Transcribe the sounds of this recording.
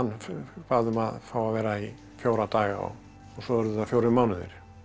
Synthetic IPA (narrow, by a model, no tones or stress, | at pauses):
anːfaːðʏmaðfaːwavɛːɾai | fjoːwɾat̪aːɣaɔ̰ | ɔɣsɔvɛɾðʏθafjowɾɪmawnɪðɪ̰ɾ̥